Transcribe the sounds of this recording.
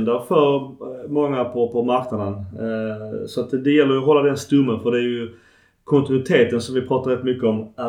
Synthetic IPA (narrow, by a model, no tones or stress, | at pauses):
nd̪əɾfœɾmɔŋːapʰɔpʰɔmaɾknad̪ən | sɔat̪d̪ɛjɛlːəɾjɔɦɔlːad̪ɛnst̪ɵmːənfœɖɛæɾjɵ | kʰɔnt̪ɪnʉɪt̪ʰeːt̪ənsɔmvɪpʰɾɑːt̪aɾɛt̪ːmʏkːəɔmæ